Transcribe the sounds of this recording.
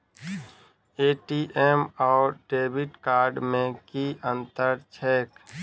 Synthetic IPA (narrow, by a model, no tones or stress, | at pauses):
eːʈiʔeːmɔːɾʈeːbɪʈkaːɾɖmẽkiʔə̃nt̪əɾt͡ʃʰɛːk